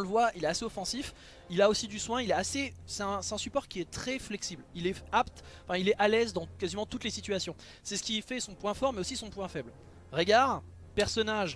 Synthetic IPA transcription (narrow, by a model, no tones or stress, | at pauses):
ɔ̃ləvwailɛaseɔfɑ̃sif | ilaosid̪yswɛ̃ilɛasesɛt̪ɛ̃sɛ̥t̪ɛ̃sypɔʁkʲiɛt̪χɛflɛksiblilɛapt̪ɑ̃fɛ̃ilɛʔalɛzd̪ɑ̃kazimɑ̃t̪ut̪lesit̪ɥasjɔ̃ | sɛsə̥kʲifɛsɔ̃pwɛ̃fɔʁmɛosisɔ̃pwɛ̃fɛbl | ʁəɡaʁ | pɛʁsɔnaʒ